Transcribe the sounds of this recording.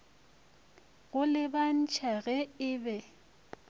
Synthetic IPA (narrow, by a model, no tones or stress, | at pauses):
ɣʊlɪban̩t͡ʃʼʰaɣɛɪbɛ